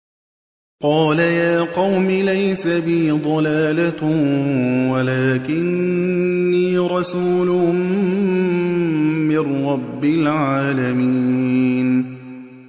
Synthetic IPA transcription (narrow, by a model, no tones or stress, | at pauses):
qɑːlajaːqɑwmɪlajsabɪd̪ˤɑlaːla | walaːkɪnː | iːɾˤɑsuːlʊ | mɪnːɑbːɪlʕaːlamiːn